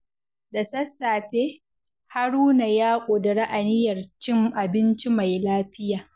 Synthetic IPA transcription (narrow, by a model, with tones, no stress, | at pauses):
da˨sɐ˦sːaː˨ɸe˦ | ha˦ɾuː˦na˨jaː˦kʷʼoː˨da˨ɽa˦ʔa˨nɪ˦jɐ˨rt͡ʃɪ˦mʔa˨bɪ˦nt͡ʃi˦ma˨jlaː˦ɸɪ˦jaː˨